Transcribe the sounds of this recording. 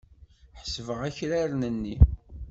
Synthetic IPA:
ħsvəʁæçɾæɾnənːi

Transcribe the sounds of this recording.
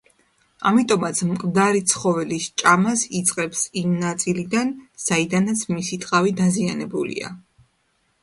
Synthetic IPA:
a̰mit̪ʼɔmat̪sʰmkʼmd̪aɾit̪sʰχɔvɛlist͡ʃʼamasit̪sʼqʼɛbsimnat̪sʼilid̪anz̥aid̪anat̪sʰmisit̪ʼqʼavid̪azianɛbulḭa̰

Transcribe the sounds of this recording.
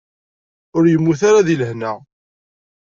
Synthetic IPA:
ʊɾjəmːuθaɾaðiləhnæ

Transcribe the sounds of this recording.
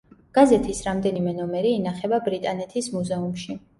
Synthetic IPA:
ɡ̥azɛt̪ʰisɾamd̪ɛnimɛnɔmɛɾiːnaχɛbabɾit̪ʼanɛt̪ʰismuzɛumʃi

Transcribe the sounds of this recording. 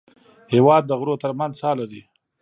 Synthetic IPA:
hewɑd̪ːəɣɾot̪əɾmanzsɑlaɾi

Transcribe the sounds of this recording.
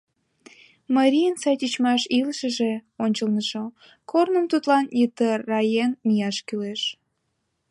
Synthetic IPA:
mɑɾʲijənsɑjtʲit͡ɕmɑʃilʃəʒeonʲt͡ɕəlnəʃo | kʰornəmt̪ut̪lɑnjət̪ərːɑjenmijɑʃkyleʃ

